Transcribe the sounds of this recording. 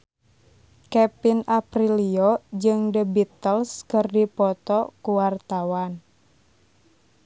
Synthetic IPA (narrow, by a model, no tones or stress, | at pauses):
kɛpinapɾiliod͡ʒɨŋdəbit̪əlskɨrdipɔt̪ɔkuwart̪awan